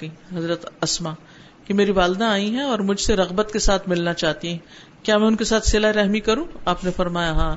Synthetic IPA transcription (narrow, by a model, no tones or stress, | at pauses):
iɦɐzɾət̪ɐsmaː | kimeːɾiʋaːld̪ãaːĩɦɛ̃ɔːɾmʊd͡ʒʱseɾɐɣbət̪kesaːt̪ʰmɪlnat͡ʃaːɦt̪iɦɛ̃ | kjaːmɛ̃ʊnkesaːt̪ʰsɪlaeɾɛɦmikɐɾũːaːpnefɐɾmaːjaɦãː